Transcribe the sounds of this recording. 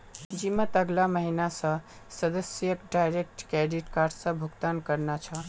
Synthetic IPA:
d͡ʒimət̪əɡlaməɦinasə̃ | səd̪əsjəkɖajɾek̚ʈkeɖiʈkaɾɖsə̃bʱuɡt̪ankəɾnat͡ʃʰə

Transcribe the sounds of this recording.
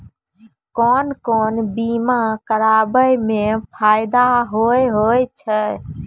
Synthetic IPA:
kɔnkɔnbimakəɾabəjmepʰaɪd̪aɦojɦojt͡ʃʰə

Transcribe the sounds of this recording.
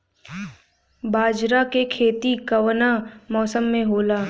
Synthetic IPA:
baːd͡ʒɾakekʰeːt̪ikɐʋnamɔːsəmːẽɦoːlaː

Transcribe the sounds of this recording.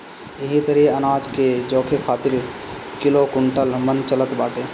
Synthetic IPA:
eɦit̪əɾiənaːd͡ʒked͡ʒoːkʰekʰaːt̪ɪɾkɪlokʊɳʈəlmənt͡ʃələt̪baːʈeː

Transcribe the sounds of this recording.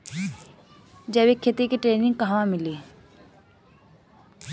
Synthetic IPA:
d͡ʒɛːbekʰːet̪ikeʈɾeːnɪ̃ŋɡ̚kəɦʋãmɪli

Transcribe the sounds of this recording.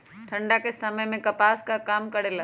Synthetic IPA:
ʈʰɐ̃ɳɖakesɐməjmẽkɐpaːskakaːmkɐɽela

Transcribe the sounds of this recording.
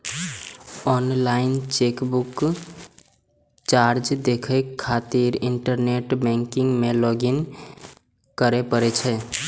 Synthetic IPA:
ɔnlaint͡ʃekbuk | t͡ʃaɾd͡ʒd̪ekʰeat̪iɾiɳʈəɾneʈbɛ̃ŋkiŋɡmelɔɡin | kəɾepəɾɛt͡ʃʰɛ

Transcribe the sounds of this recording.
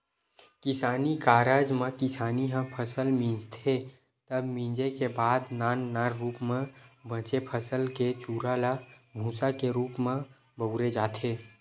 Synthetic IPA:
kɪsaːnikaːɾəd͡ʒmẽkɪsaːniɦə̃pʰəsəlmĩd͡ʒt̪ʰe | t̪əbmĩːd͡ʒekebaːd̪naːnːaɾːuːpmẽbə̃t͡ʃepʰəsəlket͡ʃuːɾalabʱũːsakeɾuːpmẽ | bəʊɾed͡ʒaːt̪ʰeː

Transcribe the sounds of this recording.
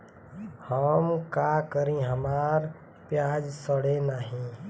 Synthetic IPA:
həmkakəɾĩɦəmaːɾ | pjaːd͡ʒsəɽenaɦĩ

